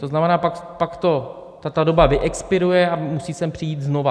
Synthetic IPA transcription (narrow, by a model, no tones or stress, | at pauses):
t̪oznamɛnaːpakpakt̪o̞ | t̪at̪ado̞bavɪʔɛkspɪɾujɛamusiːsɛmpr̥ɪjiːt̪zno̞va